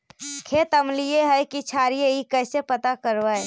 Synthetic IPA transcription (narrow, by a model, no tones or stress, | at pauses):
kʰet̪əmlieɦəjkit͡ʃʰaːɾijeikəsepət̪akəɾʋae